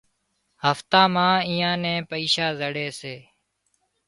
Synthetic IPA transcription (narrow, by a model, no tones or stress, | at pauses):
həft̪ãːmãːiːãːnẽːpəiːʃaːzəɽeːseː